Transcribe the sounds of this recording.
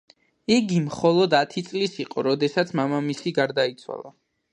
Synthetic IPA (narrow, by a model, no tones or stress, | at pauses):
iɡimχɔlˠɔd̪at̪ʰit̪sʼlisiqʼɔɾɔd̪ɛsat̪sʰmamamisiɡaɾd̪ait̪sʰwa̰lˠa̰